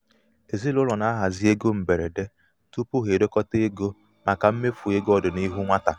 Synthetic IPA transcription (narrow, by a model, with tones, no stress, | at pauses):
e˨zi˦lʊ˦lɔ˨na˦ɦa˨zi˦e˦ɡo˦m̩˨be˨ɾḛ˨de˦ | tu˦pu˦ɦe˨do˦kɔ˦te˦e˦ɡo˦ | ma˨ka˨m̩˦me˦fu˨e˦ɡɔ˦dʊ˨ni˦ɦu˦ŋʷa˦ta̰˨